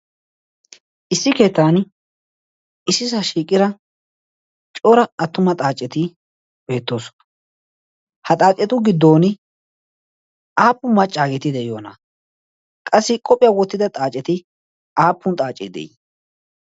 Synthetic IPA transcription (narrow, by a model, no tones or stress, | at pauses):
ʔɪsːɪke̞ːt̪ːaːn | ɪsːɪs̬ɐʃiːkʼːɪɾɐ | t͡ʃʼoːɾɐɐt̪ːʊmɐt̪ʼaːt͡ʃʼːɛt̪ɪ | be̞ːt̪ːo̞ːsɔ̥nɐ̥ | hɐt̪ʼaːt͡ʃʼːɛt̪ʊɡɪd̪ːo̞ːnɪ | ʔaːpːʊmɐt͡ʃʼːaːɡɛt̪ɪd̪ɛjo̞ːnɐ | kʼɐsːɪkʼɔpʼːɪjɐwɔt̪ːɪd̪ɐt̪ʼaːt͡ʃʼːɛt̪ɪ | ʔaːpːʊnt̪ʼaːt͡ʃʼːɛ̰d̪ɛ̰j